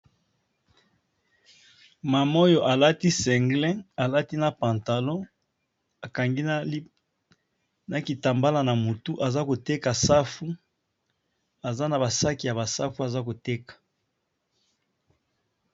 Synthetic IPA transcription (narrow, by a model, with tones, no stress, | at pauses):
ma˨mo˦jo˨ʔa˨la˦ti˦sɛ˨ŋɡlɛ̃˦a˨la˦ti˦na˨pã˨nta˨lɔ̃˦ | a˨ka˨ŋɡi˦ | na˨ki˨ta˨mba˦la˨na˨mu˨tu˦ʔa˨za˦ko˨te˦ka˨sa˦fu˦ | a˨za˦na˨ba˨sa˦ki˨ja˨ba˨sa˦fu˦a˨za˦ko˨te˦kḁ˨